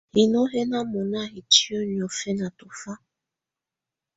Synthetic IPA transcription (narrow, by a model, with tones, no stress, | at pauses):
hi˨no˦ɦe˦na˦mɔ˨na˦˨ɦi˨t͡ʃi˦o˦ɲi˨ɔ˨fe˦na˨tʊ˨fa˦